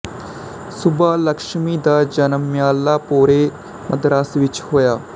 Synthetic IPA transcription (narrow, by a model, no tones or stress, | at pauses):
sʊbaːlɐkʃmiːd̪aːd͡ʒɐnəmjaːlaːpoːɾe | mɐd̪ɾaːsʋɪt͡ʃhoːjaː